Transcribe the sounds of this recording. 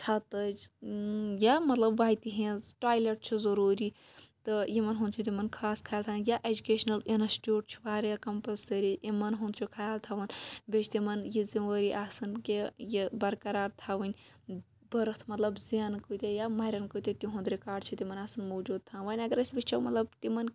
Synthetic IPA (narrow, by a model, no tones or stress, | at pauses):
ʈʰɐt̪ɐd͡ʒ | jamɐt̪lɐbʋaːjt̪iɦẽʈaːjleʈ̚t͡ʃʰizɐɾuːɾiː | t̪ɨjimɐnɦũnd̪t͡ʃʰut̪̬ʲimɐnkʰaːskʰajaːlt̪ʰãnjaʔed͡ʒukeːʃnɐlinɐsʈʲjuːʈ̚t͡ʃʰi̥ʋaːɾjakɐmpɐlsɐɾiʔimɐnɦũnd̪t͡ʃʰukʰajaːlt̪ʰaʋɐnbʲet͡ʃʰt̪imɐnjiziʋəɾiʔaːsɨnkejibɐɾkɐɾaːɾt̪ʰaːʋɨnʲ | bɐɾɨt̪ʰmɐt̪lɐbzijaːnkut̪ʲejamɐɾʲɐnkɨjt̪ʲet̪ʲiɦũnd̪ɾikaːɖ̚t͡ʃʰit̪ʲimɐnaːsɨnmoːd͡ʒuːd̪̚t̪ʰãːnʋaːnʲɐɡɐɾɐsʲbit͡ʃt͡ʃʰɐmɐt̪lɐb̚t̪imɐn